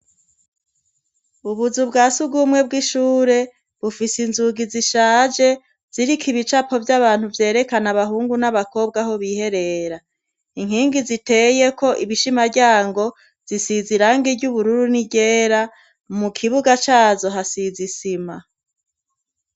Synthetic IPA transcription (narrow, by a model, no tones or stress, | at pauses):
uβuzubɡaːsuɡumŋe̞b̚ɡiʃuːɾe̞ | βufisinzuɡiziʃaːd͡ʒe | z̥iɾikʰiβit͡ʃapo̞vjaβaːn̥huvje̞ːɾe̞kanaβaɦuːŋɡunaβako̞ːbɡaɦo̞βiːhe̞ɾe̞ɾa | iŋ̥hiːŋɡizite̞je̞ko̞ʔiβiʃimaɾɟaːŋɡo̞ | z̥isiziɾaːŋɡiɟuβuɾuɾuniɟe̞ːɾa | mukʰiβuɡat͡ʃaːzo̞ɦasizisima